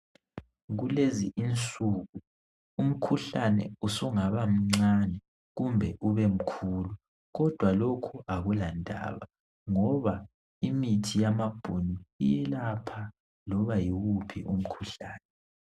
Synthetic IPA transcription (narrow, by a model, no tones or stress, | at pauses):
ɣuleziʔint͡sʼuːɣu | um̩kʰuɬanɛ̰usuŋaβam̩ŋ͡ǀanɛ | ɣumbʱɛʔuβem̩kʰuːlu | ɣɔd̥ʱwalokʰuaɣulandʼʱa̰ːβa | ŋɔβa | imitʰijamab̥ʱuniijɛlapʰa | lɔβajiɣupʰiʔum̩kʰuɬaːnɛ